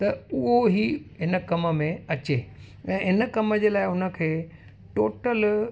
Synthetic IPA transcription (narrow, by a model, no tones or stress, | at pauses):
t̪ɐʊɦoɦiɦɪnəkɐmə̆mẽɐt͡ɕe | ɛ̃ːɦɪnə̆kɐməd͡ʑeːlaːɪʊnə̆kʰeː | ʈoːʈəl